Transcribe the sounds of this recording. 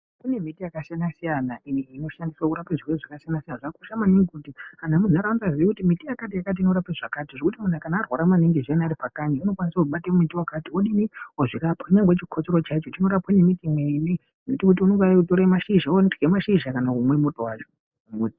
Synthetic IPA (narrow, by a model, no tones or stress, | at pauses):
kune̞mitijakasijanasijanaʔiniino̞ʃandiswouɾapeʐiweʐakasijanasijanaʐakoʃamaniŋɡikutianamunuaɾaund͡zaziʋikutimitijakat̬ijakat̬iino̞ɾapeʐakatiʐekutimun̤akanaːrwaɾamaniŋɡeʐijanaɾipakaɲauno̞kwanisakuɓateumitiwakatioɗiniwoʐirapwauɲaŋɡwet͡ʃikʰot͡ʃeɾo̞t͡ʃait͡ʃo̞tino̞ɾapwanemitimwene | notikut̬iunoŋɡaaikutoɾemaʃiʒaondɡemaʃiʒakanakumwe̞mo̞to̞waːt͡ʃo | ɡuti